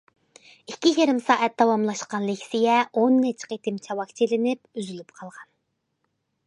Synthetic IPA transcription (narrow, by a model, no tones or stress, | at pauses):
ikʲʰːijeɾɪmsɑːʔɛt̪̚d̪̥ɑwɑmlˠɑʃqɑnlˠɪkʲsijɛonːɛt͡ʃʰqet̪ʰɪmt͡ʃʰɑwɑkt͡ʃʰelɪnɪp̚yzylyp̚qʰɑlˠʁɑn